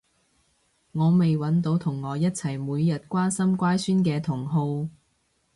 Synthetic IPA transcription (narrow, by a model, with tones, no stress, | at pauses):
ŋɔː˨˧me˨jwɐ˨˥nt̪o˨˥wt̪ʰʊ˨˩ŋːɔː˨˧jɐ˥t̚t͡sʰɐ˨˩jmuː˨˧jːɐ˨t̚kʷaː˥nsɐ˥mkʷaː˥jsyː˥nkɛː˧t̪ʰʊ˨˩ŋɦo˧w